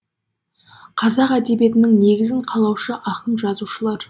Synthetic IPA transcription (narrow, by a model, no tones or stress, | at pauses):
qʰɑzɑqæd̪e̞bije̞t̪ɪnɪŋne̞ɡʲɪzɪɴqʰɑlˠɑwʃəʔɑqənʒɑzuʃəlˠɑɾ